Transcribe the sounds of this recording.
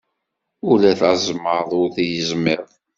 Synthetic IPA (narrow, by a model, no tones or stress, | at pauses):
ʊlæθazˤməɾðˤʊɾθjəzmeðˤ